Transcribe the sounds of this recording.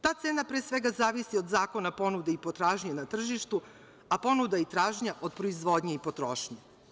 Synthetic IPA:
t̪aːt̪seːnapɾeːsʋe̞ɡazaːʋisio̞d̪zaːko̞napo̞nud̪eipo̞t̪ɾaːʒɲanat̪r̩ʒiʃt̪u | apo̞nud̪ait̪ɾaːʒɲaʔo̞d̪̚pɾoizʋo̞d̪ɲeipo̞t̪ɾoʃɲe

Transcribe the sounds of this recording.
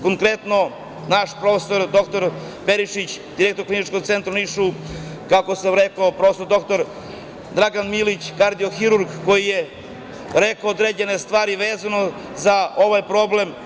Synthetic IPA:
ko̞ŋkɾe̞t̪no̞ | naʃpɾo̞feso̞ɾd̪o̞kt̪o̞ɾ | pe̞ɾiʃit͡ɕd̪iɾek̚t̪o̞ɾklinit͡ʃko̞ɡt̪se̞nt̪ɾaniʃu | kakosemɾekopɾofesoɾd̪o̞kt̪o̞ɾ | d̪ɾaɡanmilit͡ɕkaɾd̪ijoxiɾuɾɡko̞jije | ɾekood̪ɾeːd͡ʑene̞st̪ʋaːɾiʋeːzano̞ | zao̞ʋajpɾo̞ble̞m

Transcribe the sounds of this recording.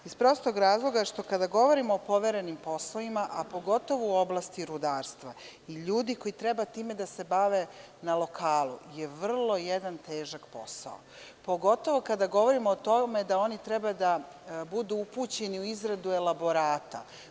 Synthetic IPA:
ispɾo̞ːst̪o̞ɡɾaːzlˠo̞ɡaʃt̪o̞kad̪aɡo̞ʋo̞ɾimo̞ːpo̞ʋeɾe̞nimpo̞sloimaʔapo̞ɡo̞t̪o̞ʋouo̞blˠast̪iɾud̪aːɾst̪ʋa | iʎuːd̪iko̞jit̪ɾebat̪iːme̞d̪ase̞baʋe̞ | nalo̞kʰaːlṵje̞ʋr̩lˠo̞jed̪ant̪eːʒakpo̞̰sa̰o̰ | po̞ɡo̞t̪o̞ʋo̞kad̪aɡo̞ʋo̞ɾimoːt̪o̞me̞d̪ao̞nit̪ɾebad̪a | bud̪uupuːt͡ɕe̞niuizɾad̪ue̞lˠabo̞ɾaːt̪a̰

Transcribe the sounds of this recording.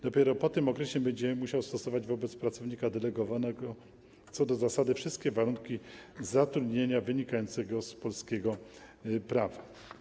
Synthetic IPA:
d̪̥ɔpʲjɛɾɔpɔt̪ɘmɔkɾɛɕɛbɛɲd͡ʑɛmuɕawst̪ɔsɔvad͡ʑvɔbɛt̪spɾat̪sɔvɲikad̪ɛlɛɡɔvanɛɡɔ | t̪sɔd̪ɔzasad̪ɘfʂɘst̪̚kʲɛvaɾuŋkʲizat̪ɾud̪ɲeɲavɘɲikajɔnt̪sɛɡɔspɔlskʲeɡɔ | pɾava

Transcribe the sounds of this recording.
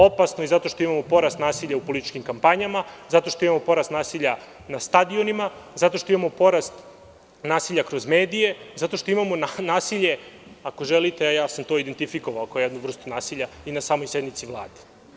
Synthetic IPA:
o̞pasnoizat̪o̞ʃt̪o̞imamopo̞ɾast̪naːsiʎaupolit̪it͡ʃkimkampaɲamazat̪o̞ʃt̪oimamopo̞ɾast̪naːsiʎa | nast̪ad̪io̞nimazat̪o̞ʃt̪o̞imamo̞po̞ɾast̪ | naːsiʎakɾo̞zmeːd̪ije̞zat̪o̞ʃt̪o̞imamonanaːsiʎe̞ako̞ʒelit̪e̞ajaːsamt̪o̞id̪ent̪ifikoʋaokaojed̪nuʋr̩st̪unaːsiʎainasaːmo̞jsjed̪mit̪siʋlˠaːd̪e

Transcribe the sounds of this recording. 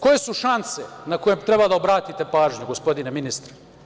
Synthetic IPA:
ko̞je̞suʃansenako̞jemt̪ɾe̞bad̪aobɾaːt̪it̪e̞paːʒɲuɡo̞spo̞d̪ineminist̪ɾe̥

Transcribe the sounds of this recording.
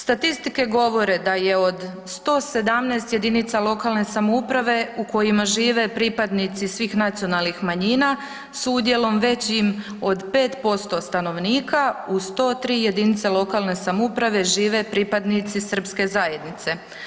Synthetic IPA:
st̪at̪ist̪ike̞ɡo̞ʋo̞ɾe̞d̪aje̞o̞d̪ | st̪o̞ːse̞d̪amneːst̪je̞d̪init̪salˠo̞kalˠne̞samoupɾaʋe̞uko̞jimaʒiːʋe̞pɾipad̪nit̪sisʋiːxnat̪sio̞nalnixmaɲiːna | sud̪je̞lo̞mʋe̞t͡ɕim | o̞d̪pe̞ːt̪po̞st̪o̞st̪ano̞ʋniːkaust̪o̞ːt̪ɾiːje̞d̪init̪salˠo̞kalˠne̞samoupɾaʋe̞ʒiːʋe̞pɾipad̪nit̪sisər̩pske̞zaje̞d̪nit̪se̞

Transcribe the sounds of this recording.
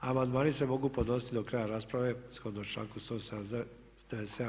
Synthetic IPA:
amand̪maːnise̞mo̞ɡuːpod̪no̞si̥t̪id̪o̞kɾaːjaɾaːspɾaʋe̞sxod̪not͡ʃla̰ːnkust̪os | d̪eʋesea

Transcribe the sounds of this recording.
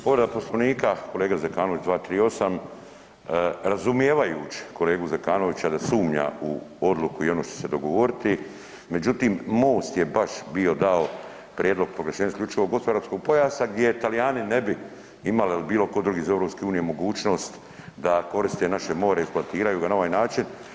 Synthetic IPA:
poʋɾed̪apo̞slˠoʋniːkako̞le̞ːɡazekaːnoʋit͡ʃd̪ʋaːt̪ɾiːo̞sam | ɾazumjeːʋajṵːt͡ʃi̥kʰo̞le̞ːɡuzekaːno̞ʋit͡ɕad̪asuːmɲa̰uo̞d̪lˠukuio̞noːʃt̪o̥se̞d̪o̞ɡo̞ʋo̞ɾit̪i | me̞d͡ʑut̪iːmmo̞ːst̪jebaʃbio̞d̪ao̞ | pɾjed̪lo̞ɡ̚pɾoɡleʃeɲasklʎʲut͡ʃuʋoɡospoɾaɾpsko̞ɡ̚po̞jaːsaɡd̪je̞t̪alijaːnine̞bi | imalilibiːlˠo̞ko̞d̪ɾuɡiːzae̞ʋɾo̞pske̞uːnijemo̞ɡuːt͡ʃno̞ːst̪ | d̪ako̞ɾist̪e̞naʃe̞mo̞ːɾeiksploat̪iːɾajuːɡanao̞ʋaːjnaːt͡ʃin

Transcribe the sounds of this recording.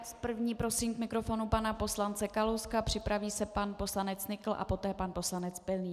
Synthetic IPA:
spr̩vɲiːpɾo̞siːmkmɪkɾo̞fo̞nupanapo̞slant͡sɛkalowskapr̝̥ɪpɾaviːsɛpanpo̞slanɛt͡snɪkl̩ʔa̰po̞t̪ɛːpanpo̞slanɛt͡spɛlniː

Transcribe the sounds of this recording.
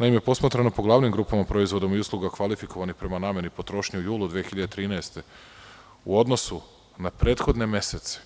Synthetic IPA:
naimepo̞smat̪ɾanopo̞ɡlˠaːʋnimɡɾuːpamapɾo̞izʋod̪o̞miuslˠuɡakʋalifiko̞ʋanixpɾe̞manaːmje̞nipo̞t̪ɾo̞ːʃɲiujuːlˠud̪ʋeexiʎad̪et̪ɾiːnaest̪e̞ | ṵo̞d̪no̞su | napɾe̞ːt̪xo̞d̪ne̞me̞set̪se̥

